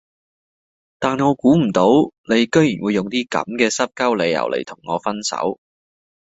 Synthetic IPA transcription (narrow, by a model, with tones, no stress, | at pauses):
t̪aː˨nŋɔː˨˧kuː˨˥m̩˨˩t̪o˨˥wne˨˧jkɵ˥ɥjyː˨˩nwuː˨˧jʊ˨ŋt̪iː˥kɐ̰˨˥mkɛː˧sɐ˥p̚kɐ˥wle˨˧jɐ̰˨˩wlʔḛ˨˩jt̪ʰʊ˨˩ŋːɔː˨˧fɐ˥nsɐ̰˨˥w